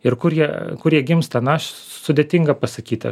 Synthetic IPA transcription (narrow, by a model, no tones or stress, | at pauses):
ɪɾkʊɾjiɛkʊɾjiɛɡʲɪmst̪ɐnɐʃ | sʊd̪ʲeːt̪ʲɪŋɡɐpɐsɐkʲiːt̪ʲɐ̰